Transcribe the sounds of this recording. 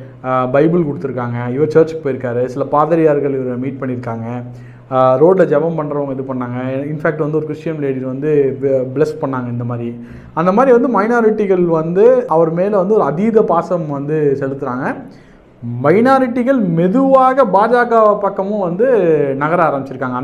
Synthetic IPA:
bɐɪbɯlkʊɽɯt̪ːɯɾɯkːaːŋɡɐɪʋɐt͡ʃɐːɾt͡ʃpːoːjɪɾɯkːaːɾɯsɪlɐpaːðɐɾɪjaːɾɣɐɭɪʋɐɾɯmiːʈ̚pɐɳːɪɾɯkːaːŋɡɐ | ɾoːɖlɐd͡ʒɛʋɐmpɐɳːɾɐʋɐŋɡɛðɯpɐɳːaːŋɡɐɪnfæːk̚ʈʋɐnd̪ɯɔɾɯkɾɪʂjɐmleːɽiɾʋɐnd̪ɯbɭɛspɐɳːaːŋɡɐɪnd̪ɐmaːd̪ɾi | ɐnd̪ɐmaːd̪ɾiʋɐnd̪ɯmɐɪnaːɾɪʈːɪɣɐɭʋɐnd̪ɯɐʋɐɾɯmeːlɐʋɐnd̪ɯɔɾɯɐðiːðɐpaːsɐmʋɐnd̪ɯsɛlɯt̪ːɯɾaːŋɡɐ | mɐɪnaːɾɪʈːɪɣɐɭmɛðɯʋaːɣɐbaːd͡ʒaːɣɐpɐkːɐmʊ̃ʋɐnd̪ɯnɐɣɐɾaaːɾɐmbɪt͡ʃːɪɾɯkːaːŋɡɐn

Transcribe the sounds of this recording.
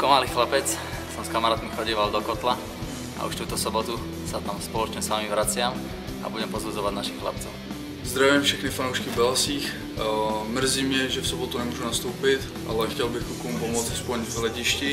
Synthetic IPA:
kɔmalixlapɛt͡s | sɔmskamaɾaːt̪mixɔɟiːʋald̪ɔkɔt̪la | ʔa̰ʔṵʃt̪uːt̪ɔsɔbɔt̪u | sat̪amspɔlɔt͡ʃɲɛsʋaːmiʋɾat͡sɪam | ʔa̰buɟɛmpɔzbud͡zɔʋaɟnaʃixxla̰pt͡sɔʊ | zd̪ɾavijɛmfʃɛxnifanɔʊʃkivbɛlsiːx | mr̩ziːmɪɛʒɛfsɔbɔt̪unɛmuɔːʒunast̪uːpit̪ | ʔa̰lɛxcɛlbixkukumpɔmɔd͡zaspɔɲvɦlɛɟiʃci

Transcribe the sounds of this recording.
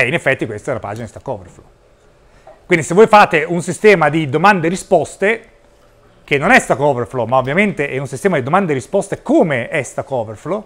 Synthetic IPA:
ɛinefːɛt̪ːikwest̪ɛunapa̰ːd͡ʒinad̪ist̪akːɔːvḛɾflo̰ | kwind̪isevːoːjfaːt̪eunsist̪ɛːmad̪id̪omand̪eɾispɔst̪e | k̟enːonɛst̪akːɔːveɾflomaovːjament̪eʔɛunsist̪ɛːmad̪id̪omand̪eɾispɔst̪ekoːmeɛst̪akɔːveɾflo

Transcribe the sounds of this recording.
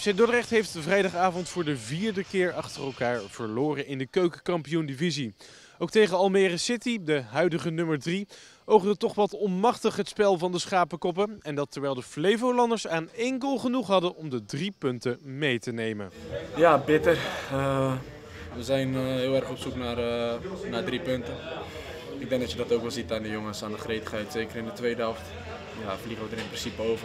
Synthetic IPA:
sɛdɔdərɛχtɦejftvrɛjdɑχaːvɔntfʊːɹdəviːɹdəkɪːɹɑχtərɛlˠkaːɹv̥əɹlʊːrənɪndəkøɥkəkɑmpijundivizi | owk̚tejχəɑlˠmɛːrəsɪtidəɦœɥdəχənɵməɹdri | owχdətɔχʋɑtɔnmɑχtəχɦətspɛlˠvɑndəsχaːpəkɔp̬əɛndɑtɛɹʋɛjlˠdəflejvowlɑndəɹsaːnɛŋkəlˠχənuχɦɑdənɔmdədripɵntəmejtənejmə̰njabɪtərə | ʋəzɛjnɦɪːlˠɛrχɔpsuknaːrnaːɹdripɵntə | ɪɡ̚dɛŋk̚dɑtjədɑtowkʋɛlˠzitaːndəjoŋəsaːndəχrejtə̥χɦɛjtsejkəɾɪndətʋejdəɦɛft | jafliχəʋədəɾɪnprɪnsipəowvə

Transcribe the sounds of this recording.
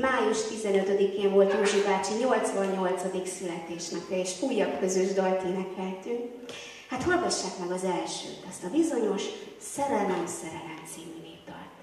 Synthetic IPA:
maːjuʃt̪izɛnøt̪ød̪ikeːɱvo̞lt̪ruːʒibaːt͡ʃiɲo̞lt̪sʋɒɲːo̞lt̪sɒd̪iksylɛt̪eːʃnɛkɛeːʃuːjːɒkkøzyʒd̪ɒlt̪inɛkɛlt̪yŋk | hat̪hɒlɡɒʃːaːkmɛɡɒzɛlʃø̰ːt̪ɛst̪ɒbizo̞ɲo̞ʃ | sɛɾɛlɛmsɛɾɛlɛnt̪siːmineːbd̪ɒ̰l

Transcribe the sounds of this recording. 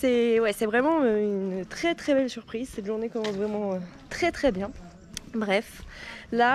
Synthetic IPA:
sɛwɛsɛvʁɛmɑ̃øynt̪χɛt̪χɛbɛlsyʁpχizsɛt̪ʒuʁnekɔmɑ̃svʁɛmɑ̃ø | t̪χɛt̪χɛbjɛ̃ | bʁɛfla

